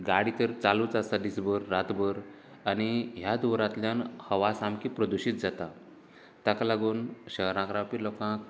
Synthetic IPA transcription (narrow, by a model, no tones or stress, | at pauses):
ɡaɽit̪əɾt͡saluːt͡sast̪ad̪isbəɾːat̪bəɾ | añiɦjad̪uʋɾat̪ljanhəʋasamkiːpɾəd̪uɕiːt̪̚d͡zat̪a | t̪akalaɡuːnɕəɦɾãkɾapilɔkãk̚